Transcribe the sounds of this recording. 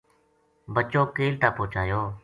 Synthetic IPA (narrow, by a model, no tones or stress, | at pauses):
bət͡ʃoːkeːlt̪aːpoːt͡ʃaːjoː